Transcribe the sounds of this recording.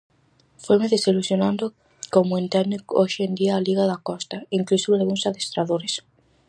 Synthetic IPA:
fojmeðesilusjonãnd̪ʊ | komʊẽnt̪ɛnɪkoʃend̪iaːliɣaðakɔst̪aiŋklusuβalɣuŋsaðest̪ɾaðoɾes

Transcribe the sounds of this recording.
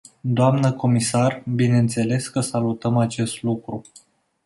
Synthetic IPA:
d̪oamnəko̞misarbine̞ɨnt̪se̞le̞skəsalut̪əmat͡ʃe̞st̪lukɾu

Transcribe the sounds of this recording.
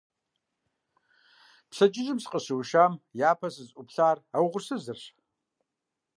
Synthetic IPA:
psɐd͡ʒʼɪʒɨmsqʼəɕɨwʃaːmjaːpʰɐsɨzʼʊpɬaːrawʁʷʊrsɨzɨrɕ

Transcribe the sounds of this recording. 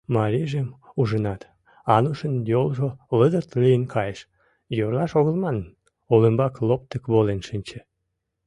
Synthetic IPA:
mɑɾiʒem | uʒənɑt̪ | ɑnuʃənjolʒoləd̪ərt̪lijənkʰɑjəʃ | jorlɑʃoɣə̆lmɑn | oləmbɑklop̚t̪əkβolenʃɨnʲt͡ɕĕ̥

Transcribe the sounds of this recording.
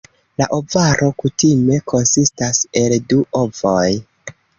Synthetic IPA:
laʔo̞vaɾʔo̞kutime̞kʰo̞nsistase̞lduʔovoj

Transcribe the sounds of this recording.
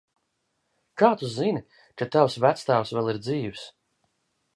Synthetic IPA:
kaːt̪uzin | kat̪awsvæt̪st̪aːwsvɛlˠiɾd̪ziːws

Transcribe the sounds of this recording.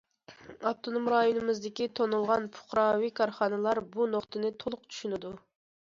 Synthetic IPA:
ɑft̪ʰonomɾɑjonɨmɨzd̪ɪkʲit̪ʰonulˠʁɑnpʰʊ̥χɾɑwikʰɑɾχɑnɨlˠɑɾbunoχt̪ʰɨnɪt̪ʰolˠʊqt͡ʃʰy̥ʃynɪd̪u

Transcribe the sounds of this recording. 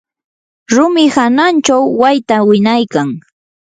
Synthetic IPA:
ɾʊmɪhanant͡ʃawːajt̪awɪnajkaŋ

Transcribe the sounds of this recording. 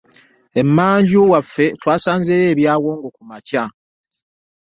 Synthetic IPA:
e̞mːaːɲɟuwafːe̞twaːsaːɲzeːjeːβjaːɣo̞ːŋɡokumaca

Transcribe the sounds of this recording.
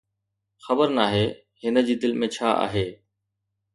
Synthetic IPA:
xəbəɾnaːɦeː | ɦɪnə̆d͡ʑiːd̪ɪlmẽt͡ɕʰaːʔa̰ːɦeː

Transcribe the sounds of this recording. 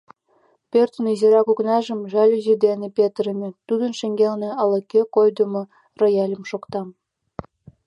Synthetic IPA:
pʲørt̪ə̆nizeɾɑkuknɑʒə̆mʒɑlʲyzid̪enʲĕpʲet̪ɾəmʲĕt̪ud̪ə̆nʃĕŋɡʲelnĕɑlɤkʲːekojd̪əmŏ | rojɑlʲə̆mʃokt̪ɑm

